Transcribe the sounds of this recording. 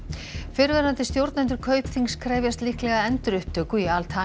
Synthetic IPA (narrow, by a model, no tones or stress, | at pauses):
fɪɾvɛɾant̪ɪst̪jowɾt̪nɛnt̪ʏɾkʰœːɥpθiŋskʰɾɛːvjast̪lɪhklɛɣaɛnt̪ɾʏht̪ʰːœːkʏialt̪ʰa